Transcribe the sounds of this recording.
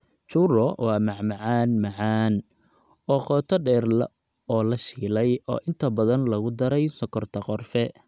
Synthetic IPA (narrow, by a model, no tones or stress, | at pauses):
t͡ʃuːrɔwɑːmɑʕmɑʕaːnmɑʕɑːn | ɔːχɔːt̪ʰɔɖɛːrlɐ̰ | ɔːlɐʃiːlɛjɔ̰ːʔɪnt̪ʰɐbɐðɐnlɐɣʊd̪ɐɾɛjsɔkʰɔrt̪ʰɐqɔrfɛ